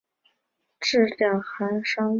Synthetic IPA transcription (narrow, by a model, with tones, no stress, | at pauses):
ʈ͡ʂɻ̩˥˧ljɑ˥˩ŋxa˧˥nʂɑ˥ŋ